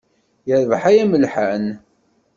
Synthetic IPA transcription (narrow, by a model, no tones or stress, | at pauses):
jəɾðˤħajæməlħan